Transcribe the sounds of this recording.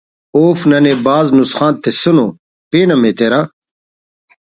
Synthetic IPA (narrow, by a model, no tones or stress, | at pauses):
oːfnɐnebaːznusxaːnt̪ːesuno | peːnɐmet̪eɾa